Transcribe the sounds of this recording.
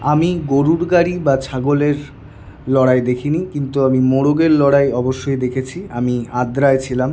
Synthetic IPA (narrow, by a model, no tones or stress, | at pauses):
amiɡoɾuɾɡaɾibat͡ɕʰaɡoleɾ | lɔɽaed̪ekʰinikint̪uamimoɽoɡeɾlɔɽaeɔboʃːojd̪ekʰet͡ɕʰia̰miad̪ɾaet͡ɕʰilam